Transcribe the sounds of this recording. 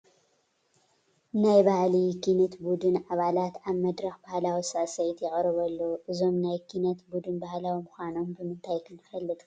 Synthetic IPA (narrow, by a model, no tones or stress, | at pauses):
najbahlikʰinɐt̪bud̪ɨnaβalat̪aβmɐd̪ɾɐxbahlawisasɐjt̪jɛxʼɾɨβɐlːoʔɨzo̞mnajkʰinɐt̪bud̪ɨnbahlawimʊxʷano̞mbɨmɨnt̪ʰajkʰɨnɨfɐlːɨt̪ʼ